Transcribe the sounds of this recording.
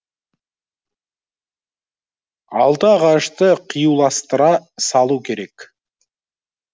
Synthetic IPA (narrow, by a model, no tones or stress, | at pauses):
ɑ̰lˠd̪əɑʁɑʃt̪əqʰijuwlˠɑst̪əɾɑsɑlˠukʲʰe̞ɾe̞k